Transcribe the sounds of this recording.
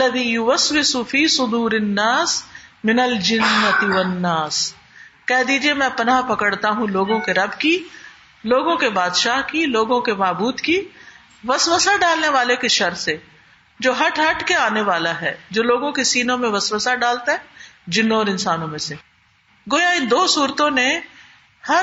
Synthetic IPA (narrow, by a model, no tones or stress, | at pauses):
lːɐðiːjʊʋɐswɪsufiːsʊd̪uːɾɪnːaːsmɪnɐld͡ʒɪnːɐt̪ɪʋɐnːaːs | kɛɦd̪iːd͡ʒiemɛ̃ːpɐnapɐkəɽt̪aɦũloːɡõkeɾɐbki | loːɡõkebaːd̪ʃaːɦkiloːɡõkemaːbuːd̪ki | ʋɐswəsaɖaːlneʋaːlekeʃɐɾse | d͡ʒoːɦɐʈʰɦɐʈkeaːneʋaːlaɦɛ̰ːd͡ʒoːloːɡõkesiːnõmẽʋɐswəsaɖaːlt̪eɦɛ̃ːd͡ʒɪnːɔːɾɪ̃nsaːnõmẽse | ɡoːjaɪ̃nd̪oːsuːɾt̪õne | hɐ